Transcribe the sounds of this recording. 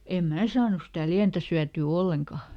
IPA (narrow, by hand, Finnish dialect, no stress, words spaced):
em mæː sɑːnus sitæ liæntæ syætyː olːeŋkɑ